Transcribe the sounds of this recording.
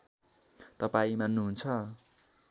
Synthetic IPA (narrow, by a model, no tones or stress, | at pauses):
t̪ʌpaĩmanuɦunt͡sʰʌ